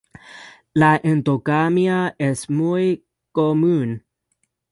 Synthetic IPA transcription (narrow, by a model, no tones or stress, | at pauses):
laʔent̪okamjaesmuj | komun